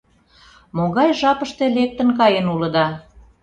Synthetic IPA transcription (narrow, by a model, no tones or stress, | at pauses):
moɣɑjʒɑpəʃt̪elek̚t̪ə̆nkɑjenulə̆d̪ɑ